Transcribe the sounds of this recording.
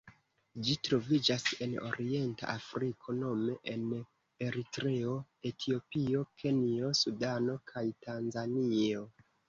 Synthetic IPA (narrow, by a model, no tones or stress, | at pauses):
d͡ʒitɾo̞vid͡ʒase̞no̞̰ɾie̞nta̰ʔafɾikʰo̞no̞me̞ʔen | e̞ɾitɾe̞o̞ | e̞tʰio̞piokʰe̞nio̞sudano̞kʰajtanzanio̞